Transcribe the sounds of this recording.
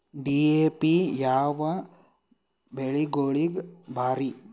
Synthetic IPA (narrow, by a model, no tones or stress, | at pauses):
ɖiepijaːʋɐ | beɭiɡoːɭiɡbʱaːɾi